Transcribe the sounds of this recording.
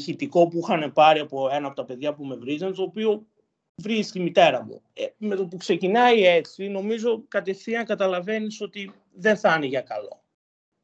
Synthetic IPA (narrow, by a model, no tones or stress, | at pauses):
çit̪iko̞puixɐne̞pɐɾiɐpo̞e̞nɐpo̞t̪ɐpe̞ðʝɐpume̞vɾizɐnt̪o̞ːpio̞ | vɾist̪imit̪e̞ɾɐmṵ | eme̞t̪o̞pukse̞cinɐie̞t͡sino̞mizo̞kɐt̪e̞θiɐŋkɐt̪ɐlɐve̞niso̞t̪i | ðe̞nθɐneʝɐkɐlo̞̰